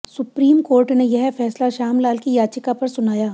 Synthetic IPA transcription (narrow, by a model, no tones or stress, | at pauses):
sʊpɾiːmkoːɾʈnejɛɦfɛːslaʃaːmlaːlkijaːt͡ʃɪkapɐɾsʊnaːjaː